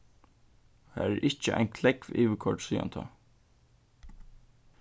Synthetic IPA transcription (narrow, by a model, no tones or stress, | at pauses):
hæ̰ːɾɛɾʔɪht͡ʃəʔa̰ɪnkʰlɛkviːʋəkʰɔʈsiːa̰nt̪ʰa̰